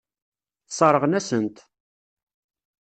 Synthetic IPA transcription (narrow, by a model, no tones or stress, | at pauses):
θsˤɑɾˤəʁnæsənt̪